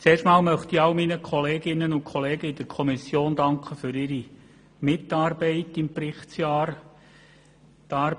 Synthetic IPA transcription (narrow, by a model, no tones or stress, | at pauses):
t͡seːrʃtmɑːlmœχtiɑʊminəkʰɔleːɡɪnːənʊnkʰχɔleːɡəid̥əɾkʰɔmisjoːndɑŋkχəfʏɾɪɾi | mɪtɑːɾbɛɪtɪmprɪχt͡sjɑːɾ | tɑː